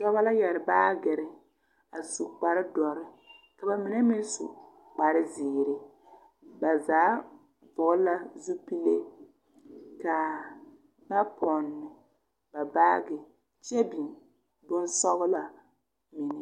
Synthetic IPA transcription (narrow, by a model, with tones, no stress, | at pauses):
dɔ˦βa˦la˦jɛ˨ɾɪ˨baː˦ɡɪ˨ɾɪ˦ | a˨su˨k͡pa˨ɾɪ˦dɔ˨ɾɪ˦ | ka˨ba˨mɪ˨nɛ˦mɪ˦n˦sṵ˨ | k͡pa˨ɾɪ˦ziː˨ɾɪ˨ | ba˨zaː˨˦ | vʊ˨ɡʊ˦la˦zu˦pi˦le˦ | ka˨ | ba˦pʰɔ˨nːɪ˨ | ba˨baː˦ɡɪ˨ | t͡ʃɛ˦bi˨n | bʊ˦nsɔ˦ɣʊ˦la˨ | mɪ˨nɪ˦